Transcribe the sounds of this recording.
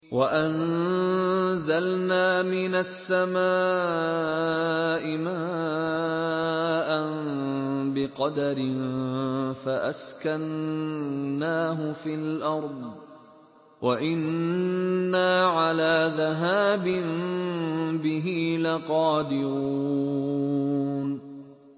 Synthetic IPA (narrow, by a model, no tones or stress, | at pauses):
waʔan | zalnaːmɪnasːamaː | ʔɪmaː | ʔan | bɪqɑd̪aɾɪn | faʔaskanː | aːɦʊfiːlʔɑɾˤd̪ˤ | wʔaʔɪnː | aːʕalaːðaɦaːbɪn | bɪɦiːlaqɑːd̪ɪɾuː | n